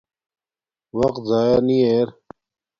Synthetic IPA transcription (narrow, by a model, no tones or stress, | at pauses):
ʋɐqt̪zaːjaniːeːɾ